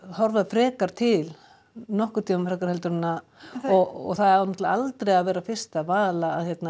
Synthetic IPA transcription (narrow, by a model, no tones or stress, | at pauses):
hɔɾvaðfɾɛːkaɾ̥t̪ʰɪl | nɔhkʏɾ̥t̪ʰiːmafɾɛkaɾ̥hɛlt̪ʏɾɪnːa | ɔɣɔ̰ɣθaðɛɾaanɔt̪laalt̪ɾejaðvɛːɾafɪr̥st̪avaːlaːðhçjɛt̪na